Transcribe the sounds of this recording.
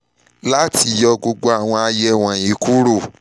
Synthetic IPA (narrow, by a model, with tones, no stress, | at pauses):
la˦ti˧jɔ˧ɡo˧ɡ͡bo˧˦a˨w̃ɔ̃˧a˧jɛ˧w̃ɔ̃˨i˨˦ku˦ɾo˦˨